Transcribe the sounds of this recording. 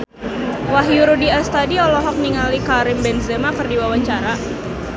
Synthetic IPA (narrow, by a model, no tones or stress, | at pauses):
waɦjuɾudiast̪adiɔlɔɦɔk̚niŋalikaɾɪmbɛnzemakɨrdiwawat͡ʃaɾa